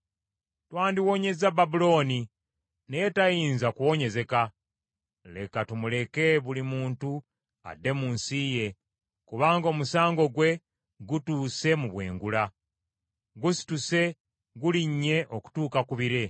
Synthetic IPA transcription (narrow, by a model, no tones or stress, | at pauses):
twaːndiwo̞ɲe̞zababulo̞ːni | nejetajiːnzakuwo̞ɲe̞ze̞ka | le̞̰katumule̞ke̞βulimuːntu | a̰dːe̞muːnsije̞ | kuβaːŋɡoːmusaːŋɡo̞ɡwe̞ | ɡutuːse̞muβwe̞̰ːŋɡula | ɡusi̥tuse̞ | ɡuliɲːe̞ʔoku̥tuːkakuβiɾe̞